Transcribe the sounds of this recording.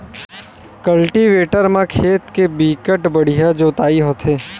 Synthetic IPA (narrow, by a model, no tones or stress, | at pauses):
kəlʈiʋeːʈəɾmãkʰeːt̪kebikəʈbəɽ̤ijad͡ʒot̪aːiɦot̪ʰeː